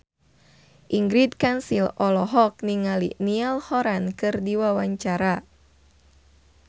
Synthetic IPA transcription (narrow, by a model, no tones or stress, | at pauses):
ʔiŋɡɾit̪kansilɔlɔɦɔk̚niŋalḭnialhɔɾankɨrdiwawaɲt͡ʃaɾa